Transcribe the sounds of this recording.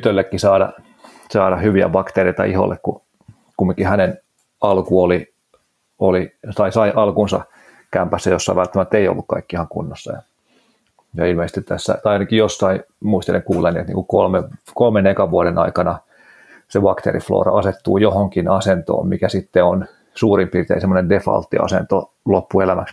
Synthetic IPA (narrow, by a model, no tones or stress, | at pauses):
yt̪ølːekːisɑːɾɑ̰ | sɑːɾɑhyʋiæ̰bɑkt̪ereit̪ɑʔiho̰lːekku | kumːiŋkːˑihænen | ɑlkuoli | olisɑisɑiʔɑlkunsɑ̰ | kæmpæsːæjosːɑiʋælt̪ːæmæt̪ːeijo̰lːukkɑ̰ikːiihɑŋkṵnːosːɑ̰jɑ̰ | jɑilmeˑise̥st̪it̪t̪æsːæ̰tɑijnɑkijosːɑimuist̪eleŋkuːlːenːiet̪nḭːkukolmekolmenekɑʋuɑɾenʔɑ̰ikɑnɑ | sebɑkt̪ḛːrḭflo̰ːrɑ̰ɑset̪ːṵːjohoŋkinɑsent̪o̰ːmmikæsit̪ːeon | suːrimpirt̪ḛːisemːˑonendefɑ̰lt̪ːḭɑ̰sḛnt̪o | lopːuelæmæks